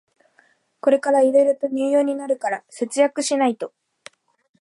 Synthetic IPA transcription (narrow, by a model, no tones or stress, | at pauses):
ko̞ɾe̞kaɾaiɾe̞ɾɯ̟t̪o̞ɲ̟ɨːjo̞ːɲ̟inaɾɯ̟kaɾase̞t͡sɨjakɯ̟ɕinait̪o̞